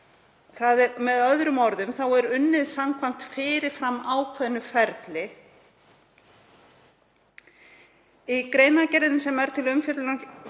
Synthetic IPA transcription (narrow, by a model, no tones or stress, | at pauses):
θaðɛɾmɛðœðɾʏmɔɾðʏmθawɛɾʏnːɪðsamkʰvam̥t̪fɪːɾɪɾ̥fɾamːaːwkʰvɛðnːʏfɛɾt̪lɪ | ikɾejnacɛɾðʏmsɛmɛɾ̥t̪ʰɪlʏmfɪt̪lna